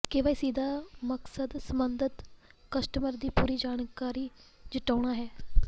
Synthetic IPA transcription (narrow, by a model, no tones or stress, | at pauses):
keʋaːiːsiːd̪aːməksəd̪səmənd̪ət̪kəsʈəməɾd̪iːpuːɾiːd͡ʒaːnkaːɾiːd͡ʒɪʈaːɽ̃aːɦɛː